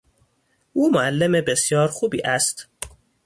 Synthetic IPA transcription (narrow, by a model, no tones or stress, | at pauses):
ʔuːmoælːemebe̞sjɒːɾxuːbḭːʔæst̪